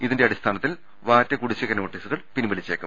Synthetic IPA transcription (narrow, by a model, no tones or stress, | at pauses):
iðinde̞ɐɽist̪ʰaːnɐt̪ːil | ʋaːtːɐkuɽit͡ɕːɐɣɐno̞ːʈːiːsuɣɐɭpinmɐlit͡ɕːeːkːɐm